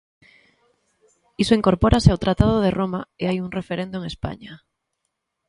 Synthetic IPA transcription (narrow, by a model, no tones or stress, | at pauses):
isoiŋkoɾpoɾaseawt̪ɾat̪að̞oðeromaeajuŋrefeɾend̪oeŋespa̰ɲa